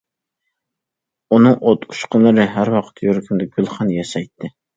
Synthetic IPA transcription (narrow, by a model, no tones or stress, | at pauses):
unɨŋʔot̪u̥ʃqʊnlˠɨɾɨɦæɾwɑqʰə̥t̪ʰjøɾkʲʰymd̪ɛɡ̥ʲylˠχɑnjɑʃɑjt̪ʰːɨ